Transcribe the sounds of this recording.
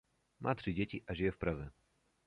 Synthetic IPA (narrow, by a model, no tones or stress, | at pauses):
mʔa̰t̪ʂɨd͡ʑʲet͡ɕʲiʔaʑɛjɛfpɾazɛ